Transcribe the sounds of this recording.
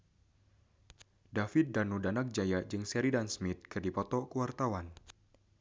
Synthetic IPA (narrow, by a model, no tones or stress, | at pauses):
dafɪt̪̚danudanak̚d͡ʒajad͡ʒɨŋsɛɾidansmɪt̪̚kɨrdipɔt̪ɔkəwart̪awan